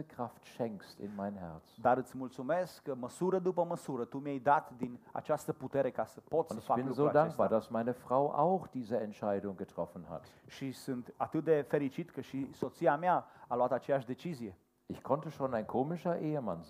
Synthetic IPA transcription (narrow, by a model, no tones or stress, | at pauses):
əkʁ̥aftʃɛŋkstɪ̰nmaɪnɦɛɐt͡sd̪aɾɨt̪sʲmult̪sume̞skːəməsuɾəd̪upəməsuɾət̪umjejd̪at̪d̪ina̰t͡ʃast̪əput̪e̞ɾe̞kasəpo̞t̪snəɪfakbɪnluzoːɾadaŋeŋ̚sbaːɐdasmaɪnəfʁ̥aʊʔa̰ʊxd̥iːzəɛntʃaɪdʊŋɡətʁ̥ɔfn̩ha̰tʃisɨnt̪at̪ɨt̪̚d̪e̞fe̞ɾit͡ʃit̪kəʃiso̞t̪siameaalat̪at͡ʃe̞jaʃd̪e̞t͡ʃizije̞ | ʔɪçkʰɔntəʃoːnaɪnkʰoːmɪʃɐʔeːəman